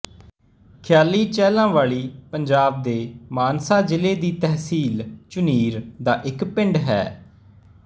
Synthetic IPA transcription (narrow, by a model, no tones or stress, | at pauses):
kʰjaːliːt͡ʃɛːlãːʋaːɭiːpəɲd͡ʒaːb̚d̪eːmaːnsaːd͡ʒɪleːd̪iːt̪ɛɦsiːlt͡ʃʊniːɾd̪aːʔɪkpɪ̃ɳɖɦɛ̰ː